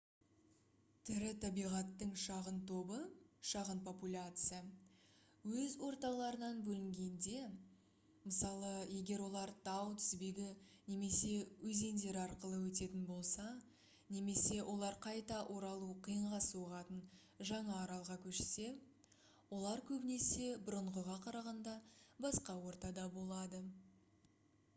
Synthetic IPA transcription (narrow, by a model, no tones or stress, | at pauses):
t̪ʰɪɾɪt̪ʰɑbijʁɑt̪ːəɴʃɑʁənt̪ʰo̞bəʃɑʁənpʰo̞pulʲat̪sɨja | wɵzwo̞ɾt̪ɑlˠɑɾənɑnbɵlɪŋɡʲe̞nd̪e̞ | məsɑlˠəje̞ɡʲe̞ɾwo̞lˠɑɾt̪ʰɑwt̪ʰʏ̥zbe̞ɡʲɪne̞me̞se̞wɵze̞nd̪e̞ɾɑɾqəlˠəwɵt̪e̞t̪ɪnbo̞lˠsɑ | ne̞me̞se̞wʔo̞lˠɑɾqʰɑjt̪ɑʔoɾɑlˠuqʰijəɴʁɑsuʁɑt̪ən | ʒɑɴɑːɾɑlˠʁɑkʲʰɵʃse̞ | wo̞lˠɑɾkʲʰɵbɪne̞se̞bʊɾəɴʁəʁɑqʰɑɾɑʁɑnd̪ɑbɑsqɑwo̞ɾt̪ɑd̪ɑbo̞lˠɑd̪ə